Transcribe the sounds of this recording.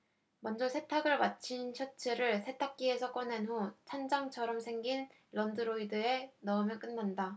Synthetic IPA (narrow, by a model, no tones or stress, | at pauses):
mʌnd͡ʑʌsʰe̞tʰaɡɯɭmat͡ɕʰinɕʰʌt͡ɕʰɯɾɯɭsʰe̞tʰak̚k͈ie̞sʰʌk͈ʌnenɦot͡ɕʰand͡ʑaŋt͡ɕʰʌɾʌmsʰe̞ŋɡin | lʌndɯɾoidɯe̞nʌɯmjʌk͈ɯnːanda